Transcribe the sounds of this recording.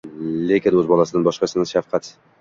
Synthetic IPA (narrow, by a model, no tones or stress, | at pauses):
lekʲɪnɵzbɒlˠasɪd̪ɪnbɒʃqɑsɪnɪʃafqʰɑt̪